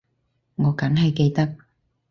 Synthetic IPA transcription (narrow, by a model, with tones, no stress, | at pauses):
ŋɔː˨˧kɐ˨˥ŋɦɐ˨jke˧jt̪ɐ˥k̚